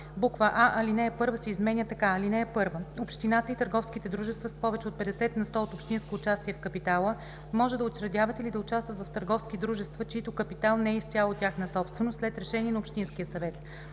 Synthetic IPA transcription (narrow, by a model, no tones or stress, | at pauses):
bukvəʔaʔɐlinɛːpɤɾvəsɛizmɛnʲət̪ɐkaɐlinɛːpɤɾvəopʃt̪inat̪əit̪əɾɡɔfskit̪ɛd̪ɾuʒɛst̪vəspɔvɛt͡ʃɛot̪̚pɛd̪ɛsɛt̪nɐst̪ɔot̪opʃt̪inskoːt͡ʃast̪iɛfkɐpit̪alˠə | mɔʒɛd̪ɐot͡ʃɾɐd̪ʲjavɐt̪ɛilid̪ɐʊt͡ʃast̪vət̪vɐft̪əɾɡɔfskitd̪ɾuʒɛst̪vət͡ʃiit̪okəpit̪alˠnɛisʲjalˠotʲaxnəsɔpst̪vɛnost̪lɛt̪ɾɛʃɛniɛnɐopʃt̪inskijəsɐvɛt̪